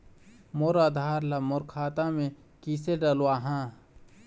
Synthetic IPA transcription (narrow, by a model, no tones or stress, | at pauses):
moɾad̪ʱaːɾlamoɾkʰaːt̪amẽ | kiːseɖəlwaːɦã